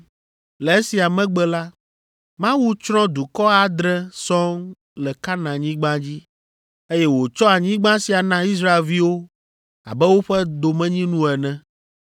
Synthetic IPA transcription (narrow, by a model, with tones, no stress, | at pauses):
lɛ˨e˦si˨a˨mɛ̃˦ɡ͡bɛ˦la˦ | mã˦wu˦t͡ʃɾɔ̃˦d̪u˨kɔ˦a˨d̪ɾɛ̃˦sɔ̃˦ŋ | lɛ˨ka˦nã˨ɲĩ˦ɡ͡bã˦d͡ʑi˦ | e˦jɛ˦wo˨t͡ʃɔ˦a˨ɲĩ˦ɡ͡bã˦si˨a˨nã˦i˦s̬ɾa˦e˨lvi˦wo˦ | a̰˨bɛ˦wo˦ɸɛ˦d̪o˨mɛ̃˦ɲĩ˦nũ˦ɛ˨nɛ̃˦